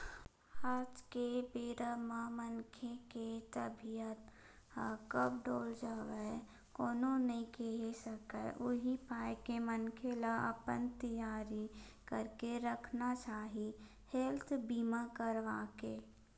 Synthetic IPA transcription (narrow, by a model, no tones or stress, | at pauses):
aːd͡ʒkebeːɾəmamənkʰeket̪əbʱijət̪ | kəpɖoːld͡ʒaːʋə | koːnonɐɦĩkeɦesəkə̰ʔʊɦipaːjkemənkʰelaʔə̰pənt̪əjaːɾikəɾkeɾəkʰnat͡ʃaːɦi | helt̪ʰbiːmakəɾʋaːkeː